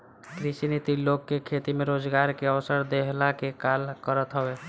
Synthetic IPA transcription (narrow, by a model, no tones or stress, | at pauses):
kɾisinit̪ilokːekʰet̪imeɾod͡ʒɡaɾkeəwsəɾd̪eɦlakekalkəɾət̪ɦəbe